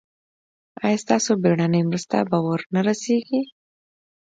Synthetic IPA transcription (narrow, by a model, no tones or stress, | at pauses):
ɑjɑst̪ɑsobeɽanəjmɾust̪a̰bawəɾnaɾaseɡi